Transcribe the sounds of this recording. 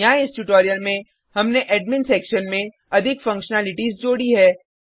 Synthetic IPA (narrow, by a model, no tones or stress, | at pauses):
aːɪsʈuʈoːɾijəlmẽ | hɐmneʔɛːɖmɪ̃nsɛːkʃənmẽ | ɐd̪ʱɪkfɐ̃ŋkʃənaːlɪʈisd͡ʒoːɽiɦɛː